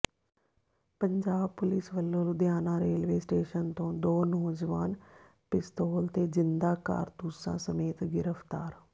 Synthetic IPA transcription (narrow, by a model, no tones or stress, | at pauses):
pəɲd͡ʒaːb̚pʊlɪsʋəlːõːld̪jaːnãːɾeːlʋeːsʈeːʃənt̪õːd̪oːnɔːd͡ʒʋaːn | pɪst̪oːlt̪eːzɪnd̪aːka̰ːɾt̪usã̰ːsəmeːt̪ɡɪɾəpʰt̪aːɾ